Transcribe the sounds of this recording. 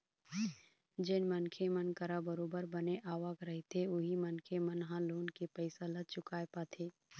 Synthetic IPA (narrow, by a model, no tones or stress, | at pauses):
d͡ʒɪnmənkʰemənkəɾabəɾoːbəɾbəneʔaːʋaːkɾɐɦet̪ʰeʊɦimənkʰemənɦãloːnkepəɪsalɐd̪t͡ʃʊkaːepaːt̪ʰeː